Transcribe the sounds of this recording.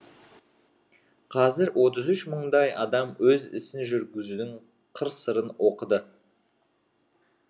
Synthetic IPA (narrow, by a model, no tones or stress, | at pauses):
qʰɑzɪɾwʔo̞t̪əzʏʃməɴd̪ɑjɑd̪ɑmwɵzɪ̰sɪnʒʏɾɡʲɪzud̪ɪŋ | qʰəɾsəɾənwo̞qəd̪ə